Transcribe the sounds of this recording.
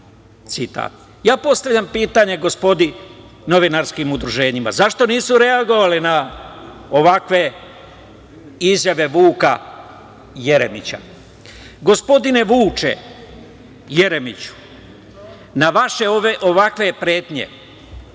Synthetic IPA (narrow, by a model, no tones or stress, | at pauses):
t̪sit̪a̰ːt̪̚ | jaːpo̞st̪aʋʎʲampiːt̪aɲe̞ɡo̞spo̞d̪i | no̞ʋinaɾskimud̪ɾuʒe̞ːɲima̰zaʃt̪o̞niːsuɾe̞aɡo̞ʋalina | oʋakʋe̞ | izjaʋe̞ʋuːka | jeɾemit͡ɕa̰ | ɡo̞spo̞d̪ine̞ʋuːt͡ʃḛ | je̞ɾemit͡ɕu̥ | naʋaʃe̞oʋeʔo̞ʋakʋe̞pɾe̞ːt̪ɲe̞̰